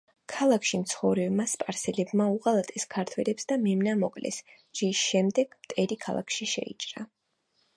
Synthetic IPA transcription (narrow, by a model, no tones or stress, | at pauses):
kʰalˠakʰʃimt̪sχɔvɾɛbmaspʼaɾsɛlɛbmauʁalˠat̪ʼɛskʰaɾt̪ʰwɛlɛpsd̪amɛmnamɔkʼlɛ̰s | d͡ʒisʃɛmd̪ɛɡ̥mt̪ʼɛɾikʰa̰lˠa̰kʰʃiʃɛ̰ḭt͡ʃʼɾa